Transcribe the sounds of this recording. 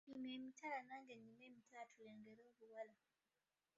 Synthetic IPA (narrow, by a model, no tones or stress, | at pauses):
ɲimemitalanaːŋɡeɲimemitalatʰuleːŋɡeɾoːβuwala